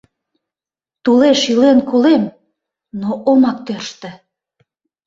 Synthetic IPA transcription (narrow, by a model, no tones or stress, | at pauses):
t̪uleʃilenkolem | noʔomɑk̚t̪ørʃt̪ĕ